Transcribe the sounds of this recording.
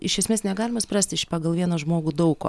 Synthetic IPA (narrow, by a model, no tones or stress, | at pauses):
ɪʃʲɛsʲmʲeːsnʲɛɡɑːlʲɪmɐsʲprɑːsʲt̪ʲɪʃpɑːɡɐlˠʋʲiɛnɐʒmoːɡuːd̪ɐʊko̰ː